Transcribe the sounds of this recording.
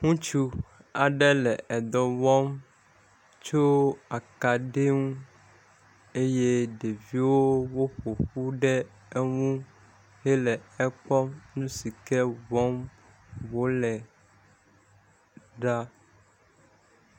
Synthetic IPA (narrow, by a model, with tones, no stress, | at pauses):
ŋũ˦t͡ʃu˦a˨ɖɛ˦lɛ˨ʔɛ˨d̪ɔ˨vɔ˦m | t͡ʃo˦a˨ka˨ɖe˦ŋũ˦ | e˦je˦ɖe˨vi˦wo˦wo˦ɸo˨ɸu˦ɖɛ˦ | ɛ˦ŋũ˦ | he˦lɛ˨ɛ˦k͡pɔ˦mnũ˦si˨kɛ˦vɔ˦m | wo˦lɛ˨ | ɖa˦